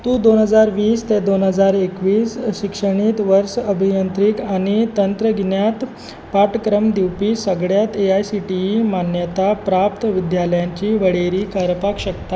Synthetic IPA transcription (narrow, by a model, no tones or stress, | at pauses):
t̪ũd̪onɦəd͡zaɾʋiːst̪ed̪onɦəd͡zaɾekʋiːsɕikʂəɳ̃iːt̪ʋəɾsəbʱijənt̪ɾikaɽ̃it̪ənt̪ɾəɡinjat̪ | paʈkɾəmd̪iwpiːsəɡɽjat̪eajsiʈiimanjət̪apɾap̚t̪ʋid̪jaləjãɲt͡ɕiːʋəɽeɾiːkəɾəpakɕəkt̪a